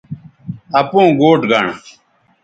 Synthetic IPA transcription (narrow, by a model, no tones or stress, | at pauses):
ɐpõːɡoːʈɡa̰ɳ